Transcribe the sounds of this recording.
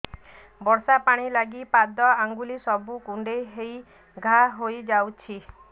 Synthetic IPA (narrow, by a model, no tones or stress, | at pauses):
bɔɾsapaɽ̃ilaɡipad̪ɔaŋɡulisɔbukuɳɖeɦej | ɡʱaɦojd͡ʒawt͡ʃʰi